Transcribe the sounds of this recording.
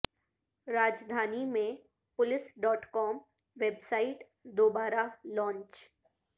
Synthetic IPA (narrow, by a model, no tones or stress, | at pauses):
ɾaːd͡ʒd̪ʱaːnimẽ | pʊlɪsɖɔːʈkɔːm | ʋeːbsaːiʈ | d̪oːbaːɾalɔ̃ːɲt͡ʃ